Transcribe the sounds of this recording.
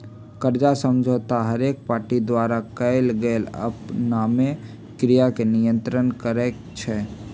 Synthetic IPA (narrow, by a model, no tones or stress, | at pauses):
kəɾd͡ʒasəmd͡ʒʱot̪aɦəɾek̚paːɾʈid̪waɾakəɪlɡələ̰pname | kɾijakenijə̃nt̪ɾənkəɾɛk | t͡ʃʰɛ